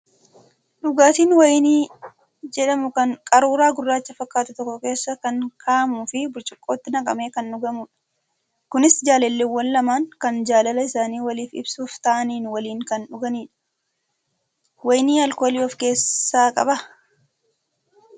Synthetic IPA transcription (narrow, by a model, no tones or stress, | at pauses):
ᶑʊɡaːt̪iːnwɐjniː | d͡ʒɛᶑɐmʊkɐŋkʼɐɾuːɾaːɡʊrːaːt͡ʃːɐfɐkʼːaːt̪ʊt̪ɔkːɔke̞ːsːɐkɐŋkʰaːʔɐmuːfɪbʊɾt͡ʃʼɪkʼːo̞ːt̪ːɪnɐkʼɐme̞ːkɐnɗʊɡɐmʊːᶑɐ̥ | kʊnɪsd͡ʒaːlɛlːewːɐnːɐmaːŋkɐnd͡ʒaːlɐlɐɪsaːniːwɐliːfɪ̰bsuːft̪ɐʔɐniːnwɐliːŋkɐnᶑʊɡɐniːᶑɐ̥ | wɐjniːɐlko̞ːliːɔfke̞ːsːaːkʼɐ̰bɐ